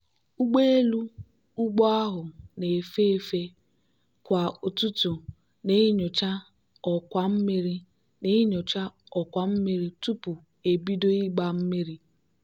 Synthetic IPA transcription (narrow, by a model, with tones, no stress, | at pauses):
u˦ɡ͡be˦e˦lu˦ | u˦ɡ͡bɔ˦a˦ɦʊ˨ne˨e˨fe˦e˨fe˦ | kʷa˨o˨tu˦tu˨ | ne˦i˦ɲo˨t͡ʃa˦ | ɔ˨kʷa˦m̩˦me˦ɾi˦ | ne˦i˦ɲo˨t͡ʃa˦ | ɔ˨kʷa˨m̩˦me˦ɾi˦tu˦pʊ˨ | e˨bi˦do˦i˦ɡ͡ba˦˨m̩˦me˦ɾi˦